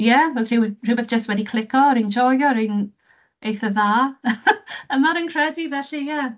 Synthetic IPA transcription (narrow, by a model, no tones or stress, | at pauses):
jɛvɔsr̥ɪwr̥ɪwbɛθd͡ʒ̥əstwɛdikʰlɪkʰɔɾind͡ʒɔjɔɾin | ejθəðaː | əmaɾənkʰr̥ɛdivɛɬijɛ